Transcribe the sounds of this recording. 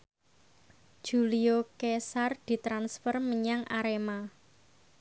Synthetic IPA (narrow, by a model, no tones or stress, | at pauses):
d̥ʒ̥uliokesard̪̥i̤t̪ɾansfərməɲaŋʔa̰ɾema